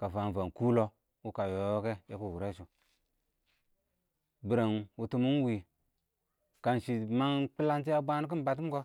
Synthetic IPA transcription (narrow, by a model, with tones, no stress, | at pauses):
ka˨va˨n˨va˨n˨ku˦lo˦ | u˦ka˨jo˨jo˦ke˦je˦ku˦˨wu˨ɾe˦ʃu˨ | bi˨ɾa˨nu˨tu˦mu˦n˦wi˨ | ka˨nʃi˨ma˦nk͡pi˦la˦nt̬i˦a˦bʷa˦n˦k̬i˦n˦ba˨t̬i˦m˦ko˦